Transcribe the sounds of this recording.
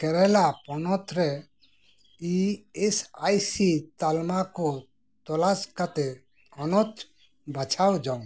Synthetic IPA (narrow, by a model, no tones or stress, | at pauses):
kɛɾɛlapɔnɔt̪ɾɛ | iesajsit̪almakɔ | t̪ɔlaskat̪ɛ | ɔnɔt̪ | bat͡ʃʰawd͡ʒaŋ